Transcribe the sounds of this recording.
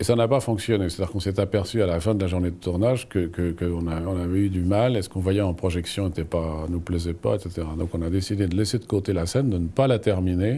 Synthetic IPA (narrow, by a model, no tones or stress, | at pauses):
esanapafɔ̃ksjɔnese̥t̪ad̪iʁkɔ̃sɛt̪apɛʁsyalafɛ̃d̪əlaʒuʁned̪ət̪uʁnaʒkəkəkəɔ̃naɔ̃navɛyd̪ymalɛsə̥kɔ̃vwajɛɑ̃pχɔʒɛksjɔ̃et̪ɛpanuplɛzɛpa̰et̪set̪eʁad̪ɔ̃kɔ̃nad̪esid̪ed̪əlɛsed̪əkot̪elasɛnd̪ənəpalat̪ɛʁmine